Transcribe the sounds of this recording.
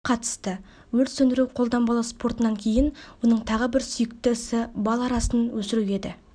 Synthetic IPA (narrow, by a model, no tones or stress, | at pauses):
qʰɑt̪ə̥st̪ə | wɵlsɵnd̪ɪɾuwqʰo̞lˠd̪ɑmbɑlˠɑspo̞ɾt̪ənɑŋkʲʰe̞jɪnwo̞nəɴt̪ʰɑʁəbɪɾsʏjɪk̚t̪ɪɪsɪbɑlˠɑɾɑsənwɵsɪɾuwe̞d̪ɪ